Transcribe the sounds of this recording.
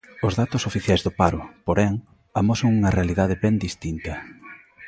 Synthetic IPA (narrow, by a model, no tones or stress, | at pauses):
ʊzðat̪ʊsofiθjajzðʊpaɾʊpoɾɛŋ | amosoŋuŋɐrealiðaðɪβɛnd̪ist̪int̪ɐ